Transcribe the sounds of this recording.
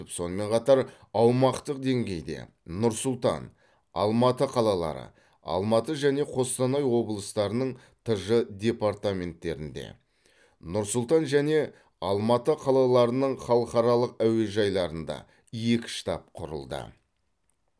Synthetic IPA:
ɪpso̞nəme̞ɴqʰɑt̪ɑɾ | ɑwmɑqt̪əqd̪e̞ŋɡʲe̞jd̪e̞̰ | nʊɾsʊlˠt̪ɑ̰n | ɑ̰lˠmɑt̪əqʰɑlˠɑlˠɑ̰ɾə̰ | ɑ̰lˠmɑt̪əʒæne̞qʰo̞st̪ɑnɑjwo̞blˠəst̪ɑɾənəɴ | t̪ʰəʒəd̪ʲe̞paɾt̪amʲe̞nt̪ːe̞ɾɪnd̪ḛ | nʊɾsʊlˠt̪ɑnʒæne̞ | ɑlˠmɑt̪əqʰɑlˠɑlˠɑɾənəɴχɑlˠəqɑɾɑlˠəqæwe̞ʒɑjlˠɑɾənd̪ɑ̰ | je̞kʲɪ̥ʃt̪ɑp̚qʰʊɾə̰lˠd̪ə̰

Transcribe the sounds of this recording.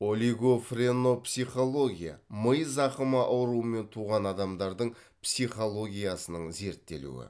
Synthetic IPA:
o̞lʲiɡo̞freno̞psijχo̞lˠo̞ɡʲija̰məjzɑqəmɑʔɑwɾuwəme̞nt̪ʰuʁɑnɑd̪ɑmd̪ɑɾd̪əɴ | psijχo̞lˠo̞ɡʲijasənəɴze̞ɾt̪ːe̞̰lṵwɪ̰

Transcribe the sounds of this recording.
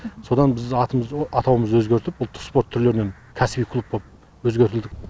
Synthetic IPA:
so̞d̪ɑnbɪzɑt̪əməzɑt̪ʰɑwəməzwɵzɡʲe̞ɾt̪ɪp̚bʊlˠt̪ʰʊ̥spo̞ɾt̪ʰːʏɾleɾɪne̞n | kʲʰæsɪbijkʰlˠup̚bop̚ | wɵzɡʲeɾt̪ɪld̪ɪk

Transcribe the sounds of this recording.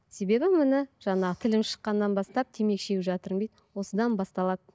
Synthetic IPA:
se̞be̞bɪmɪnɪʒ̥ɑnɑt̪ʰɪlɪmʃə̥qːɑnːɑnbɑst̪ɑp̚t̪ʰeme̞kʃe̞ɡʲʒɑt̪əɾejt̪wo̞səd̪ɑnbɑst̪ɑlˠɑd̪ə

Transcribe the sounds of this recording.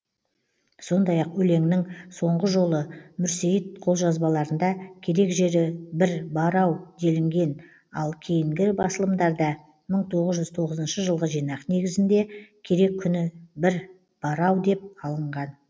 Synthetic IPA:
so̞nd̪ɑjɑqwɵle̞ŋnɪŋso̞ɴʁəʒo̞lˠəmʏɾsejit̪̚qʰo̞lˠʒɑzbɑlˠɑɾənd̪ɑkʲʰe̞ɾe̞kʒe̞ɾɪbɪɾbɑɾɑwd̪e̞lɪŋɡʲe̞n | ɑlˠkʲʰejɪŋɡʲɪbɑsəlˠəmd̪ɑɾd̪ɑ | məɴt̪ʰo̞ʁəzʒʏzt̪ʰo̞ʁəzənʃəʒəlˠʁəʒijnɑqne̞ɡʲɪzɪnd̪e̞kʲʰe̞ɾe̞kʲʰːʏnɪbɪɾ | b̥ɑɾɑwd̪e̞p̚ɑlˠəɴʁɑn

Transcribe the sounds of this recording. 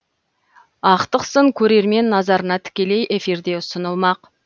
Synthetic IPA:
ɑqt̪əqsəŋkʲʰɵɾe̞ɾme̞nːɑzɑɾənɑt̪ʰɪ̥kʲe̞le̞jʔe̞fiɾd̪e̞ʊsənəlˠmɑq

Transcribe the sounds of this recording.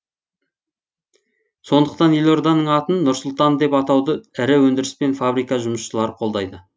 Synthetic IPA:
so̞nd̪əq̚t̪ɑnjelˠo̞ɾd̪ɑnːəɴɑt̪ənːʊɾsʊlˠt̪ɑnd̪e̞pɑt̪ɑwd̪əɪɾɪwɵnd̪ɪɾɪspe̞nfabɾijkɑʒʊməsʃəlˠɑɾəqʰo̞lˠd̪ɑjd̪ə

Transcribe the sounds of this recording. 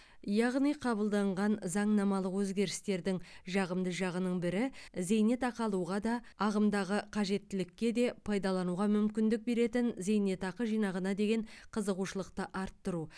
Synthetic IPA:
jɑʁnijqʰɑbəlˠd̪ɑɴʁɑnzɑɴnɑmɑlˠəqwɵzɡʲe̞ɾɪst̪e̞ɾd̪ɪŋʒɑʁəmd̪əʒɑʁənəɴbɪɾɪze̞jne̞t̪ɑqɑlˠuʁɑd̪ɑ | ɑʁəmd̪ɑʁəqʰɑʒe̞t̪ːɪlɪkʲːe̞d̪e̞pʰɑjd̪ɑlˠɑnuʁɑmʏmkʲɪnd̪ɪk̚be̞ɾe̞t̪ɪnze̞jne̞t̪ɑqəʒijnɑʁənɑd̪e̞ɡʲe̞ɴqʰəzəʁuʃəlˠəqt̪əʔɑɾt̪ːəɾu

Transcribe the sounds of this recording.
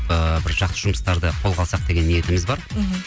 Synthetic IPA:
əbɪɾʒɑqt̪əʒʊməst̪ɑɾd̪əqʰo̞lˠʁɑlˠsɑq̚d̪e̞ɡʲenːije̞t̪ɪmɪzbɑɾ

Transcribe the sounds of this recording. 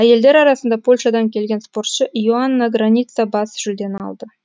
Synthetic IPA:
æje̞ld̪e̞ɾɑɾɑsənd̪ɑpʰo̞lʲʃɑd̪ɑŋkʲʰe̞lɡʲe̞nspo̞rt̪ʃəjuanːɑɡranʲit̪sɑbɑsʒ̥ʏld̪e̞nɑ̰lˠd̪ə

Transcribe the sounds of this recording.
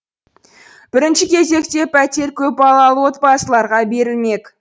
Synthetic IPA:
b̥ɪɾɪnʃɪkʲʰe̞ze̞kt̪e̞pʰæt̪e̞ɾkʲʰɵpbɑlˠɑlˠəwo̞t̪̚pɑsəlˠɑɾʁɑbe̞ɾɪlme̞k

